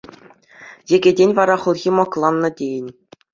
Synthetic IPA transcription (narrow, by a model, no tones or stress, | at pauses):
jĕɡʲedʲenʲʋɑɾɑχŭlˠɣʲimɑklˠɑnːɤ̆dʲejɘ̆nʲ